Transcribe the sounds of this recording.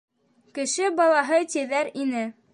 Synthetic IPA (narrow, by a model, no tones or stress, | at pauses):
kɘ̆ʃɘbɑlˠɑɦɤt̪ʲiðæɾinɘ